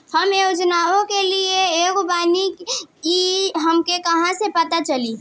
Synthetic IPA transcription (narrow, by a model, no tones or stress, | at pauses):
həmjoːd͡ʒnaːõkelieeɡobaːnikiɦəmkekɐɦãsepət̪at͡ʃəli